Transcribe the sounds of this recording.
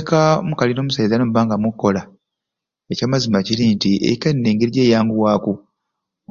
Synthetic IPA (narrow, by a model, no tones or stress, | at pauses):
kamukalino̞ːmusajizanomuβaːŋɡamukːo̞la | ecaːmazimaciɾintiḛkenːeːŋɡeɾiɟe̞ːjaːŋɡuwaːku